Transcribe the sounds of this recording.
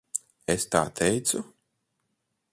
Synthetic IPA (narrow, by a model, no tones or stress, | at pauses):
est̪a̰ːt̪ʰɛjt̪su